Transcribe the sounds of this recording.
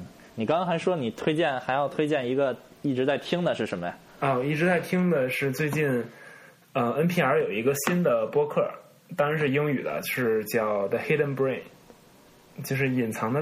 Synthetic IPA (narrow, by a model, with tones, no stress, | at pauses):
ni˨˩kɑ˥ŋɑ˥xa˧˥ɪʂwɔ˥ni˨˩t̪ʰwe˥ɪt͡ɕjɛ˥˩nxa˧˥ɪjɑ˥˩ʊt̪ʰwe˥ɪt͡ɕjɛ˥˩ni˧˥ɡə˧ | i˥˩ʈ͡ʂɻ̩˧˥t͡sa˥˩ɪt̪ʰi˥ŋd̪ə˨ʂɻ̩˥˩ʂə˧˥nmə˧j | ɔ˥˩i˥˩ʈ͡ʂɻ̩˧˥t͡sa˥˩ɪt̪ʰi˥ŋd̪ə˨ʂɻ̩˥˧t͡swe˥˧ɪt͡ɕi˥˩n | ə˧ə˥npʰi˥˩ə˞˧˥jo˨˩ʊi˧˥ɡə˧ɕi˥nd̪ə˨pwɔ˥kʰɤ˥˩ | t̪ɑ˥ŋɻa˧˥nʂɻ̩˥˩jʊ˥ŋy˨˩d̪ə̰˦ʂɻ̩˥˩t͡ɕjɑ˥˩ʊd̪ə˧˩xe˥ɾə˥˧npɹe˥˩ɪn | t͡ɕjo˥˧ʊʂ̬ɻ̩˥˩i˨˩nt͡sʰɑ˧˥ŋd̪ə˧